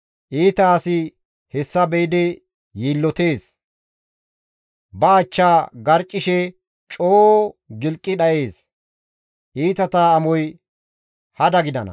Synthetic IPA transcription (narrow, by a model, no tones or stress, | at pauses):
ʔiːt̪ɐːsɪ | hɛsːɐbɛjd̪ɛ | jiːlːɔt̪e̞ːs | bɐːt͡ʃːaːɡɐɾt͡ʃʼːɪʃɛ | t͡ʃʼoːɡɪlkʼːɪɗɐʔe̞ːs | ʔiːt̪ɐt̪aːmɔj | hɐd̪ɐɡɪd̪ɐnɐ̰